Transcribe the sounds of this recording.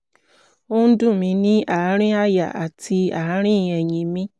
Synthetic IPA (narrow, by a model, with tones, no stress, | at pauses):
o˦dũ˦˨mĩ˧nĩ˦a˨˦ɾ̃ĩ˦a˦ja̰˨ʔa̰˨ti˧a˨˦ɾ̃ĩ˦˨ɛ˨ɲĩ˨mĩ˦